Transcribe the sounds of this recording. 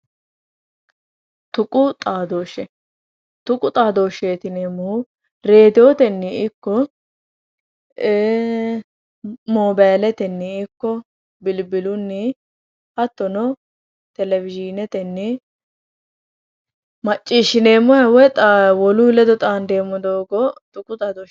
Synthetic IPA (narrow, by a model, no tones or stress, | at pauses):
t̪ʊkʼʊt̪ʼaːd̪oːʃɛ | t̪ʊkʼʊt̪ʼaːd̪o̞ːʃeːt̪ɪneːmːʊ | ɾe̞ːd̪ɪjoːt̪ɛnːɪɪkːɔ | moːbajlɛt̪ɛnːɪɪkːɔ | bɪlbɪlʊnːɪ | hɐt̪ːɔnɔ | t̪ɛlɛvɪd͡ʒinɛt̪ɛnːɪ | mɐt͡ʃʼːiːʃɪne̞ːmːɔjɐwɛt̪ʼawɔlʊlɛd̪ɔt̪ʼaːnd̪e̞ːmːɔd̪oːɡɔt̪ʊkʼʊt̪ʼaːd̪oː